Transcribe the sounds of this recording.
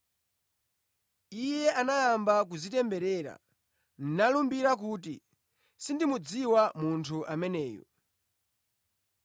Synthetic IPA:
ijɛʔanajambak̬uzitɛmbɛɾɛːɾa̰ | n̩nalumbiɾak̬uːti | sindimud͡ziwamuntʰuʔamɛnɛːjɔ̰

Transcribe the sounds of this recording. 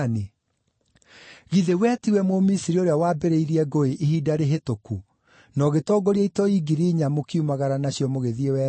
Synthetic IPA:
ne | ɣiðewɛtiwɛmomisiɾioɾeawaːbɛɾeiɾiɛɡoeʔeɦidaɾeɦetoku | nɔɣetɔɡɔɾieitɔiɡiɾiɲamokiumaɣaɾanaɕjɔmoɣeðiewɛ

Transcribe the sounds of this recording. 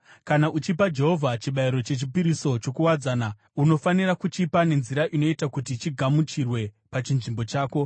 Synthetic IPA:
kanaʔut͡ʃipad͡ʒe̞ɦo̞vʱat͡ʃiɓaiɾo̞t͡ʃe̞t͡ʃipiɾiso̞t͡ʃo̞kuwad͡zaːna | uno̞fanirakut͡ʃipane̞nziɾaʔino̞itakutit͡ʃiɡʱamut͡ʃirwe̞ | pat͡ʃinʐimbo̞t͡ʃaːko̞

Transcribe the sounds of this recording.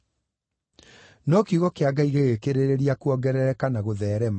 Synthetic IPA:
nɔkiɣɔkeaɡaiɣeɣekeɾeɾeɾiakuɔɡɛɾɛɾɛkanaɣoðɛːɾɛm

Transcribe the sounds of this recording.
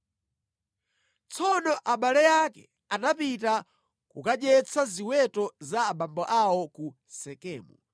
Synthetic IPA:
t͡sɔnɔʔaɓalɛjakɛ | anapita | kukaɗɛt͡sʰaziwɛtɔzaːɓambɔʔawɔku | sɛkɛːmu

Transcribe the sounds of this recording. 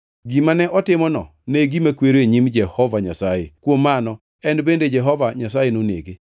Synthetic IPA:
ɡimanɛʔɔtɪmɔnɔ̰ | neɡimakweɾoeɲimd͡ʒɛhɔvaɲasajekwomːanɔ | ɛnbended͡ʒɛɦɔvaɲasajenonḛɡe

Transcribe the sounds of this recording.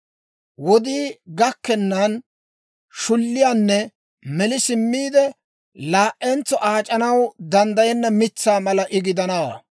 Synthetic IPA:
wɔd̪iːɡɐkːɛnːɐn | ʃʊlːɪjaːnːɛ | mɛlɪsɪmːiːd̪ɛ | laːʔɛnt͡sːɔʔaːt͡ʃʼɐnɐwd̪ɐnd̪ɐjɛnːɐmɪt͡sːaːmɐlɐʔɪɡɪd̪ɐnɐwɐ̰

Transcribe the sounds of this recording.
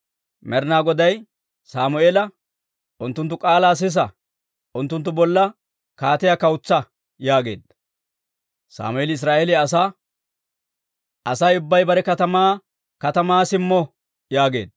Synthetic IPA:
mɛɾnaːɡɔd̪ɐj | saːmʊeːlɐ | ʔʊnt̪ːʊnt̪ːʊkʼaːlaːs̬ɪs̬ɐ | ʔʊnt̪ːʊnt̪̬ːʊbɔlːɐ | kaːt̪ɪjakɐwʊt͡sːɐ | jaːɡe̞̰ːd̪ | sa̰ːmʊelɪɪs̬ɾaːʔɛlɪɐs̬aː | ɐsajʊbːɐjbɐɾɛkɐt̪ɐmaː | kɐt̪ɐmaːsɪmːɔ | jaːɡe̞̰ːd̪

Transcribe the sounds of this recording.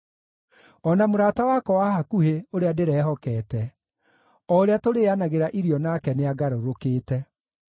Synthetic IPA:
ɔnamoɾaːtawakɔwahakuheoɾeadeɾɛːɦɔkɛtɛ | ɔoɾeatoɾeanaɣeɾaʔiɾiɔnakɛneaɡaɾoɾokeːtɛ

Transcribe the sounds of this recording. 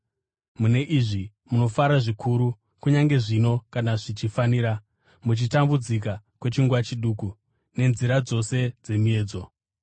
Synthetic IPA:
mune̞ʔiʐi | muno̞faɾaʐikʰuɾu | kuɲaŋɡe̞ʐino̞kanaʐit͡ʃifaniːɾa | mut͡ʃitambud͡zikakwe̞t͡ʃiŋɡwat͡ʃiɗuːku | ne̞nziɾad͡zo̞se̞d͡ze̞mie̞ːd͡zo̞

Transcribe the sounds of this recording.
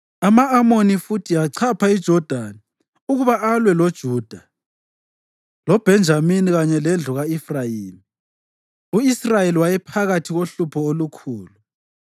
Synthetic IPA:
amaːmonifutʰiaǀʰapʰaid̥ʒ̥ʱɔd̥ʱani | uɣuβaʔalwɛlod̥ʒ̥ʱuːd̥ʱa | lɔb̥ʱɛnd͡ʒʱaminiɣaɲɛlɛnd͡ɮʱɔɣaifrajiːmi | uisrajeliwajɛpʰaɣatʰiɣoɬupʰɔolukʰuːlu

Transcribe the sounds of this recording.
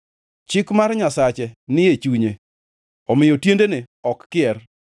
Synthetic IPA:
t͡ʃɪkmarɲasat͡ʃɛnɪjet͡ʃuɲe | ɔmɪjotjendene | ɔkːɪɛr

